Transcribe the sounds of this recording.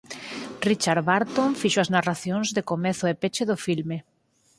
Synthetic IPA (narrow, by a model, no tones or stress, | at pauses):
rit͡ʃaɾβaɾt̪oɱfiʃoaznaraθjoŋzðekomeθʊepet͡ʃeðʊfilme